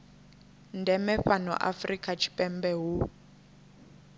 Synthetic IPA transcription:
ndɛmɛɸanɔ̰ʔa̰frikʼat͡ʃʰi̥pʼɛmbɛɦu

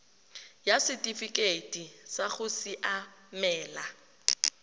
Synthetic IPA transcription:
jasɪtʼifikʼetʼisaɣʊsiʔamɛːla

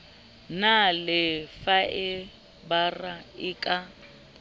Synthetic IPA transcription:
nalɪfaʔɪ | baraɪkʼa

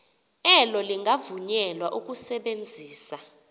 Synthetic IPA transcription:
ɛlɔliŋʱavuɲɛlwaʔuk̬ʼusɛɓend͡zʱiːsa

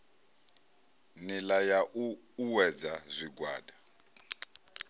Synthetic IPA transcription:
nilajaʔ | uwɛd͡zazʷiɡwaːda

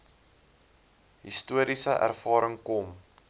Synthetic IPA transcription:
ɦistuəɾisəʔæ̰rfɑːɾəŋkɔm

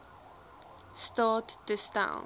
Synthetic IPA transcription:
stɑˑtdəstã̰ʊ

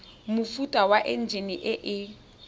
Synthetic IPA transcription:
mufutʼawaʔen̩d͡ʒiniʔɪʔɪ

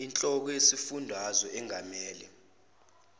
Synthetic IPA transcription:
int͡ɬʼɔk̬ɔjesifundʱazɔʔɛŋʱamɛːlɛ

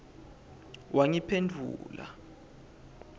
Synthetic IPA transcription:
wʔaŋipʰendʱṵːla̰

